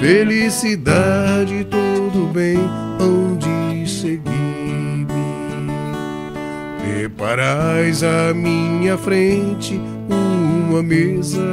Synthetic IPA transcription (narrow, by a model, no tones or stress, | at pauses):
felisid̪ad͡ʒɪt̪od̪ʊbẽj̃ | ɐ̃d͡ʒiseɡid̪ʊ | pɾepaɾajzɐmĩɲɐfɾẽt͡ʃɪ | uũmɐmezɐ